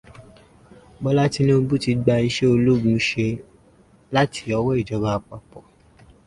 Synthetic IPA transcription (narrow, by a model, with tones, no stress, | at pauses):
bɔ˦la˦ti˧nĩ˦o˧bu˦ti˨˧ɡ͡ba˧i˧ʃe˦o˧lu˦ɡũ˨˧ʃe˧ | la˦tʰi̥˧˦ɔ˧wɔ˦i˦˨d͡ʒɔ˨˧ɡ͡ba˧k͡pa˨pɔ˨